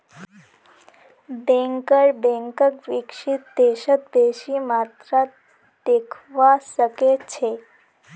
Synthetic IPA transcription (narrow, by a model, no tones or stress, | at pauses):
bẽŋkəɾbẽŋkəkʋikʂit̪̚d̪eʃət̪beʃimat̪ɾa | d̪̥ekʰʋasəket͡ɕʰe